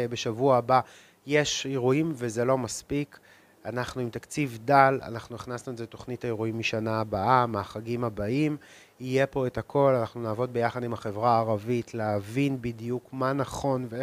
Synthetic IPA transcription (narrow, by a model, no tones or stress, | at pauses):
beʃavuaba | jeʃeʁuimvezelo̞maspik | anaχnuimt̪akt͡sivdala̰naχnuniχnasnuezeeto̞χnitaeʁuimːiʃanaːbaʔamaχaɡimabaim | ije̞po̞etakʰo̞lanaχnunaːvo̞d̚be̞jaχadimaχe̞vʁaːʁavitʰleɦavinbidijukmanaχo̞nve